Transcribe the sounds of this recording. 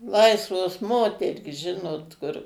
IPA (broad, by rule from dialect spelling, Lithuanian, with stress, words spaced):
ˈlˠɐɪsʋoːs ˈmoːtʲɛrʲiːs ˈʒʲɪnoːt kʊr